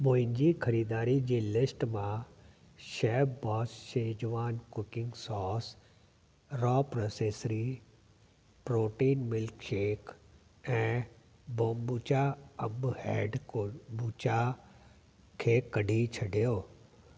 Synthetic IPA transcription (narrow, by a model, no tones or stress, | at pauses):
moːɦɪ̃ɲd͡ʑiːxʰɐɾiːd̪aːɾid͡ʑiːlɪsʈmã | ʃɛːbbɔːsʃẽːd͡ʑʋaːnkʊkɪ̃ŋɡsɔːs | ɾɔːpɾoːseːsɾi | pɾoːʈiːnmɪlkʃeːk | ɛ̃ː | bõːmbut͡ɕaɐmbhɛːɖbuːt͡ɕa | kʰeːkɐɖʱit͡ɕʰɐɖʱijoː